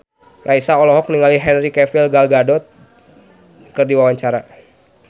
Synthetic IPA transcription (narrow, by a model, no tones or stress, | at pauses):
rʔaisaɔlɔɦɔk̚niŋaliɦɛnrikɛfilɡalɡadɔt̪̚ | kərdiwawaɲt͡ʃaɾa